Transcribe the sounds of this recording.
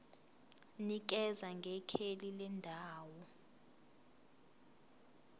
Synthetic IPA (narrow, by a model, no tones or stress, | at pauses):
nik̬ɛzaŋɡʱɛkʰelilɛndʱaːwɔ